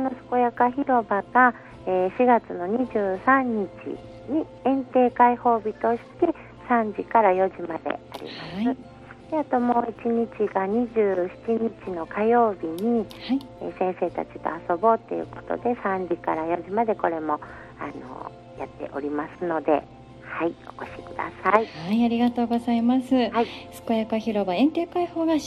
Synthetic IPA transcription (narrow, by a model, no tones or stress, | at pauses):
kono̞sɨ̥ko̞jakaçiɾo̞baɡa | eːɕiɡat͡sɨno̞ɲ̟iʑɨːsãɲ̟ːit͡ɕḭ | ɲ̟i | ẽ̞nt̪e̞ːkaiho̞ːbʲit̪o̞ɕi̥t̪e̞ | sãɲ̟d͡ʑikaɾajo̞ʑimad̪e̞̰a̰ɾʲḭmasɨ | d̪̥e̞at̪o̞mo̞ːit͡ɕiɲ̟it͡ɕiɡaɲ̟iʑɨːçi̥t͡ɕiɲ̟it͡ɕino̞kajo̞ːbʲiɲ̟ihai | ḛsẽ̞ɰ̃se̞ːt̪a̰t͡ɕi̥t̪o̰aso̞bo̞t̪ːe̞̰jɯ̟̰ko̞̥t̪o̰d̪e̞sãɲ̟d͡ʑikaɾajo̞ʑimad̪e̞ko̞ɾe̞mo̞ | a̰no̰ | jat̪ːe̞̰ʔo̞ɾʲimasɨno̞d̪e̞̰ | haioko̞ɕi̥kɯ̟d̪a̰saihaiaɾʲiɡat̪o̞ːɡo̞zaimasɨhaisɨ̥ko̞jakaçiɾo̞baẽ̞nt̪e̞ːkaiho̞ːɡa